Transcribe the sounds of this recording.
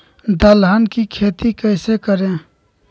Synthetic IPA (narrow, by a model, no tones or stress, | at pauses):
d̪əlɦankikʰet̪ikəɪsekəɾẽ